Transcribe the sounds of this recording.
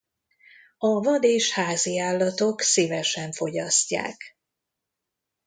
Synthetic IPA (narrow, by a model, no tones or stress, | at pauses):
ɒvɒd̪eːʃhaːziaːlːɒt̪o̞ksivɛʃɛɱfo̞ɟɒscːa̰ːk